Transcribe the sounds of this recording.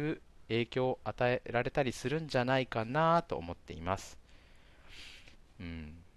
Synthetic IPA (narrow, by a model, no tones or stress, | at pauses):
ɯ̟e̞ːkʲo̞ːʔat̪aeɾaɾe̞t̪aɾʲisɨɾɯ̟̃ɲ̟d͡ʑanaikanat̪o̞̰ːmo̞t̪ːe̞̰ḭmasɨ̥ | ɯ̟̃ːɴ